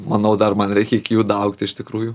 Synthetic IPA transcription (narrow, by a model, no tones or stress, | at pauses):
mɐnɐʊd̪ɐrmɐnɾʲɛɪkʲɛɪkʲɪjuːd̪ɐʊkt̪ʲɪʃt̪ʲɪkɾuːjʊ